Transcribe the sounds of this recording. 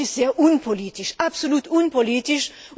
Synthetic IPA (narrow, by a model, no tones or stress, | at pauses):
iz̥eːɐʔunpʰoliːtɪʃapsoluːtunpoliːtɪʃ